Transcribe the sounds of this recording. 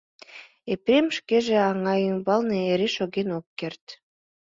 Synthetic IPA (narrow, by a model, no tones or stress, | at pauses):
epɾemʃkeʒeɑŋɑjymbɑlneeɾeʃoɣenokːert̪